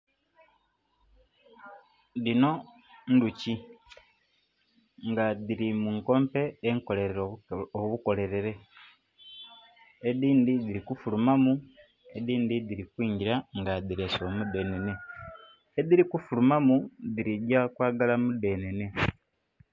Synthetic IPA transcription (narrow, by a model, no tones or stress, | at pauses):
dino̞ | nduci | ŋɡaðiɾimuŋko̞ːmpe̞eŋko̞le̞ɾeɾooβuko̞le̞ɾe̞ɾe̞ | eðiːnd̪id̪iɾikufulumamu | eðiːnd̪idiɾikwiːɲɟiɾaŋɡadiɾesuomude̞ːne̞ne̞ | eðiɾikufulumamuðiɾidjakwaːɡalamude̞ːne̞ne̞